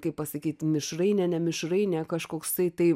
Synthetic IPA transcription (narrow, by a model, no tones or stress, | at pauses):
kɐɪpɐsɐkʲiːt̪mʲɪʃrɐɪnʲɛnʲɛmʲɪʃɾɐɪnʲɛkɐʃkoːkst̪ɐɪt̪ɐɪ